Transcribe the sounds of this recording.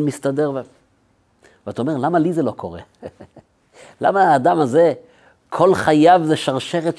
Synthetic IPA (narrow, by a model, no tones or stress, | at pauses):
mist̪ad̪eʁve | veataome̞ʁlamalizelo̞kʰo̞ʁḛ | la̰maaːd̪amaze | kʰo̞lχajavzeʃaʁʃeʁet